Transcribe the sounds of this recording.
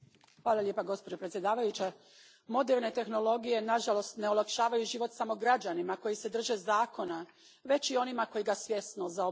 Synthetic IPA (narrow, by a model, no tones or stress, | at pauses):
xʋaːlˠalʲjepaɡo̞spod͡ʑo̞pɾet̪ʲje̞d̪aːʋajut͡ɕe | mo̞d̪eɾne̞t̪e̞xno̞lo̞ɡije̞naʒalo̞st̪ne̞olˠakʃaːʋajuʒiʋo̞t̪samo̞ɡɾad͡ʑanimako̞jise̞d̪r̩ʒe̞zaːko̞na | ʋe̞t͡ɕio̞nimako̞jiɡasʋje̞snozao